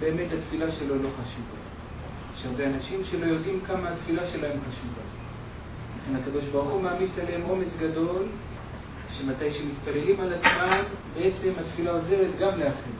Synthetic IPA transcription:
be̞ːme̞that̪filaʃe̞lo̞lo̞χaʃuva̰ | eʃaʁbe̞anaʃimʃe̞lo̞jo̞dimkamaːt̪filaʃe̞laemχaʃuva̰ | laχe̞nhakado̞ʃbaʁuχumaːmiseleemo̞me̞sɡado̞l | ʃe̞matajʃemit̪pale̞limalat͡smambee̞t͡se̞mat̪filaoze̞let̪ɡamle̞aχen

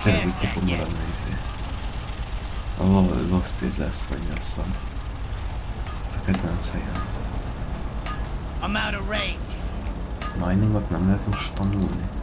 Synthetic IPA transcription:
telock̪opommɛɾɒnneːzḭ | ɒ̰lo̰lost̪ḛːzlɛ̰sːʋɒ̰ɟlɛsːɛn | ɛzɒkɛd̪vɛnt̪shɛjɛn | ãmaʊɾəɹẽɪ̃nd͡ʒ | lɑjniŋɡɒt̪nɛmlɛɦɛt̪moʃt̪ːɒnulni

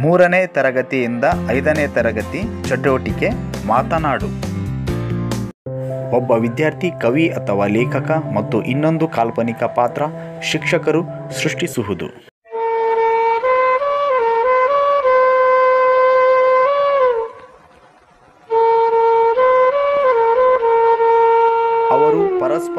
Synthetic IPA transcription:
muːɾɐneːt̪ɐɾɐɡɐt̪ijind̪ɐɐjd̪ɐneːt̪ɐɾɐɡɐt̪it͡ʃɐʈoːʈike̞maːt̪ɐnaːɽu | ɔbːɐʋid̪jaːɾt̪ʰikɐʋiʔɐt̪ʰɐʋaːlɛːkʰɐkɐmɐt̪ːuʔinːo̞nd̪ukaːlpɐnikɐpaːt̪ɾɐʃikʂɐkɐɾu | sɾuʂʈisuɦud̪ṵ | ɐʋɐɾupɐɾɐsp

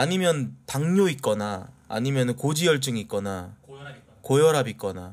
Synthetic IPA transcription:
aɲimjʌntaŋɲoit̚k͈ʌna̰ːɲimjʌnɯnkod͡ʑijʌɭt͡ɕ͈ɯŋik͈ʌna | kojʌɾabik͈ʌna̰

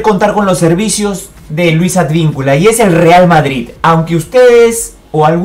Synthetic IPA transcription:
ko̞nt̪aɾko̞nlo̞sːe̞ɾβisjo̞z | ðe̞lwisad̪βiŋkulaie̞se̞lre̞almaðɾiðawŋkeust̪e̞ðe̞s | oalɣ

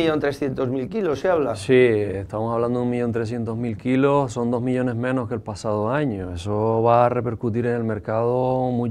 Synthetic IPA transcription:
iʎont̪ɾesθjent̪ozmilkiloseaβlasieht̪aβmosaβland̪oðumiʎo̞nt̪ɾes̬je̞nt̪oɦmilkilosso̞nd̪o̞ɦmiʎo̞ne̞ɦmẽnohkelpasaðoaɲoe̞soβare̞pe̞ɾkut̪̬iɾe̞ŋe̞lme̞ɾkaðomũ

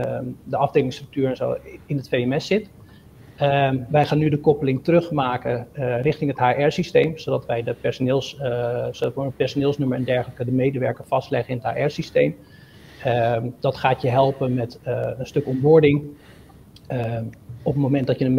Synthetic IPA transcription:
dəɑvdeːlɪŋstrɵk̚tyːɹɛnzo̰wɪnətfejɛmɛsɪt | ʋɛjχaːnydəkɔpəlɪŋtərɵχmaːkərɪχtɪŋɦətɦaːʔɛɹsistejmsodɑtʋɛjdəpɛɹsonɪːlˠssodɑtʋəənpɛɹsonɪːlˠsnuməɛndɛɹχələkədəmejdəʋɛɹkəɹfɑstlɛχəɪnətha̰ːʔɛɹsistejm | d̥ɑtχaːtjəɦɛlˠpəmɛtənstɵkɔmbɔɹdɪŋ | ɔpətmomɛnt̚dɑtjədə

